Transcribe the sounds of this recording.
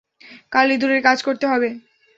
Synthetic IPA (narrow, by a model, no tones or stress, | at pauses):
kalid̪uɾeɾkad͡ʑʱkoɾt̪eɦɔbe